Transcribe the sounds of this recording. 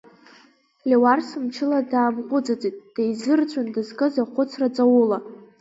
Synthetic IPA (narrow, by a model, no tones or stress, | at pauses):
lʲewarsɨmt͡ʃʰɪladaːmqʷʼʊd͡zʼad͡zʼitʼd̥ajzɨrt͡ɕʷʰandɨzkʼɨzaχʷʊt͡sʰrat͡sʼawʊla